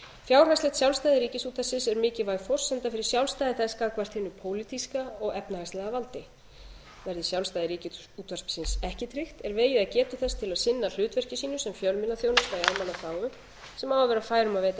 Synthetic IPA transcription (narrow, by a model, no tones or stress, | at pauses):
fjawr̥hajslɛt̪sjawlst̪ajðɪɾiːcɪsuːt̪vasɪsɛɾmɪːcɪvaːjfɔr̥sːɛnt̪afɪɾɪ̥sjawlst̪ajðɪθɛskaðkvar̥t̪hɪnʏpʰoːwlit̪iskaɔɣɛpnahajslɛðavalt̪ɪ | vɛɾðɪsjawlst̪ajðɪɾiːcɪ | uːt̪ʰvaspsɪnsɛhcɪt̪ʰɾɪxt̪ɛɾveːjɪðaðcɛːt̪ʏθɛst̪ʰɪlaðsɪnːal̥ʏːt̪vɛr̥cɪsiːnʏsɛmfjœlmɪnaθjoːwnɪst̪aialmanafaːwʏ | sɛmaːwavɛːɾafaːjɾʏmaveːjt̪a